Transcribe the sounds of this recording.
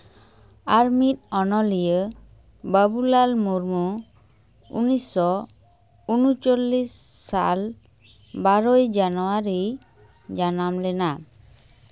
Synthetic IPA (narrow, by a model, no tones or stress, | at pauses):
aɾmit̪̚ɔnɔlijə | bəbulalmuɾmu | ṵnisɔ | unut͡ʃolːisːa̰l | baɾojd͡ʒanuaɾi | d͡ʒanamlɛna